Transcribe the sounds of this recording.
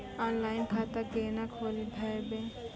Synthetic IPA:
ɔːnlaːɪnkʰat̪aɡeːnakʰoːlibʱajbe

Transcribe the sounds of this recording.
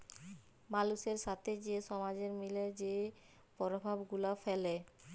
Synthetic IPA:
maluʃeɾʃat̪ʰed͡ʑeʃɔmad͡ʑeɾmiled͡ʑe | pɔɾobʱabɡulafele

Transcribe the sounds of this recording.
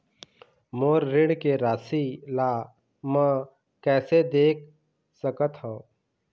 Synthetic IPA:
moːɾːɪɽkeɾaːsilaː | mɛ̃ | kɛːsed̪eːk̚ʰ | səkət̪ɦãː

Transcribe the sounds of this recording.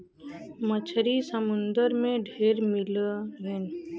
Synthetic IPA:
mət͡ʃʰɾisəmʊnd̪əɾmẽɖʱeːɾmɪlɾen

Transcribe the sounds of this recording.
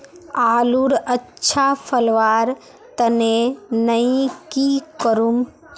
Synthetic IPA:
aːluɾətːʃʰapʰəlʋaːɾ | t̪ənenəĩkikəɾum

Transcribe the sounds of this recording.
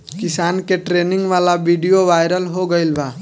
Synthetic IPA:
kɪsaːnkeʈɾenĩŋɡʋalabiɖijoʋajɾəlɦoɡəɪlba

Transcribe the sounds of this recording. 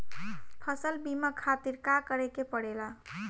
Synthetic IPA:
pʰəsəlbiməkʰat̪iɾkakəɾekepəɽela

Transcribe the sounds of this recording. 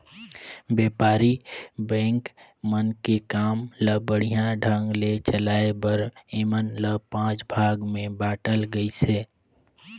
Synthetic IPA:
beːpaːɾibɛ̃ːŋkmənkekaːmləbəɽ̤ijãɖʱə̃ŋɡlet͡ʃəlaːebəɾemənləpãːt͡ʃbʱaːɡmẽbaːʈəlɡəiseː

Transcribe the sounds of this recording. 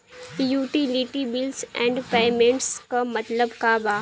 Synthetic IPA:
juːʈiliʈibɪlsɛ̰̃ːɳɖpeːmẽɳʈskamɐt̪ləbkaːbaː

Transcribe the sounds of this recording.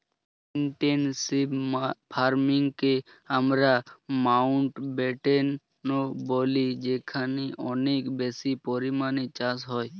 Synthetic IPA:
ɪɳʈensibpʰaːɾmɪŋɡke | əmɾamaʊɳʈbeːʈenː | oboːlid͡ʒeːkʰaːniʔɔneːkbeːsipɔɾimaːnit͡ʃãːsɦɔːj

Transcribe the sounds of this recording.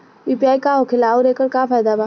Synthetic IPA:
piːpijaːikaɦokʰɪlaoɾeːkəɾkafaːjd̪abaː

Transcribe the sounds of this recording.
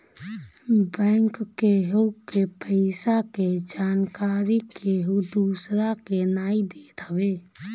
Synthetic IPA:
bɛ̃ːŋkːeɦoukepʰəɪsaked͡ʒaːnkaːɾikeɦud̪usɾakenaːid̪eːt̪əbe

